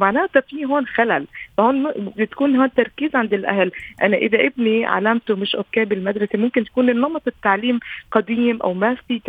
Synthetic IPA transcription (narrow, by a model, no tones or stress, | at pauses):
maʕnæːʔt̪æfiːɦoːnxælælfæhoːnet̪kuːnhoːnt̪ːɑɾˤkiːzʕand̪ɪlʔæ̰hlʔænæʔɪðæʔɪbniʕa̰læmt̪omɪʃʔokːæːbelmæd̪ɾˤɑsemomkɪnt̪æ̥kuːnʔenːɑmɑt̪ˤet̪ːaʕliːmqɑd̪iːmʔæ̰wmæfiː